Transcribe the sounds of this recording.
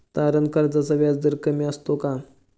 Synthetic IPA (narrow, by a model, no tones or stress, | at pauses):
t̪aɾənkaɾd͡zasaʋjat͡sd̪əɾkəmiəst̪oka